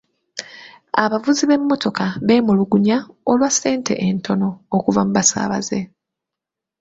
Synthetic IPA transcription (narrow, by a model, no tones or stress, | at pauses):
aβavuziβe̞mːo̞to̞kaβe̞ːmuluɡuɲaolwasːe̞ːntʰe̞̰ʔentʰo̞no̞ːkuvamuβasa̰ːβa̰ze̞